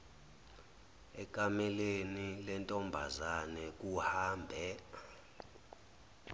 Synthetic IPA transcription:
ɛk̬ʼamɛlenilɛntʼɔmbʱa̰zanɛk̬ʼuhaːmbʱɛ

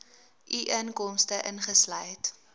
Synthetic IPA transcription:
ʔiʔənkɔmstəʔənχəslœjt

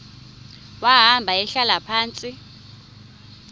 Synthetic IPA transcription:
waɦambʱaɛɬalapʰaːnt͡sʼi

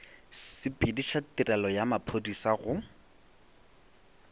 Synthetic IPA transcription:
ɪpʼidiʃatirɛlɔjamapʰodisaɣʊ

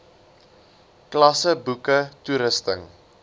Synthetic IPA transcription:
klɐsəbukətuɾəstəŋ

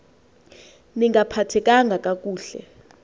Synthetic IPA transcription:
niŋɡapʰatʰɛk̬ʼaŋɡʱakʼak̬ʼuːɬɛ̰

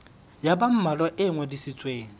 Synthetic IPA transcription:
jabam̩malɔʔɪŋwɛdisit͡sʼweːŋ̩

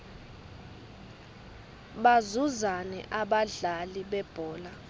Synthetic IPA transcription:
ɓazuzanɛ̰ʔaɓaɮaliɓɛb̥ʱɔːla

